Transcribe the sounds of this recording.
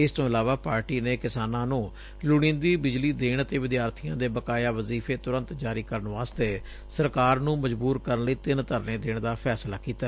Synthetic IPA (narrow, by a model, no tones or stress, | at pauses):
ɪst̪õːɪlaːʋaːpaːɾʈiːneːkɪsaːnãːnũː | lʊɽ̃ɪ̃ːnd̪iːbɪd͡ʒliːd̪eːɳ̃t̪eːʋɪd̪jaːɾt̪ʰijãːd̪eːbəkaːjaːʋəziːpʰeːt̪ʊɾə̃nt̪d͡ʒaːɾiːkəɾənʋaːst̪eː | səɾkaːɾnũːməd͡ʒbuːɾkəɾənləiːt̪ɪnt̪əɾnẽːd̪eːɳd̪aːpʰɛːslaːkiːt̪aː